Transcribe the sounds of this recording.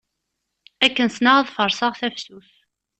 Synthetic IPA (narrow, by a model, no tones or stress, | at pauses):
ækːənsnaʁæðfəɾˤsɑʁθæfsuθ